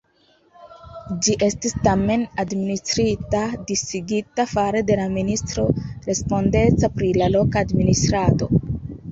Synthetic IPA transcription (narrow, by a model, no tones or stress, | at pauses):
d͡ʒiʔe̞stistame̞nadministɾitadisiɡitafaɾe̞de̞laministɾo̞ɾe̞spo̞nde̞t͡sapɾilalo̞kaːdministɾato̞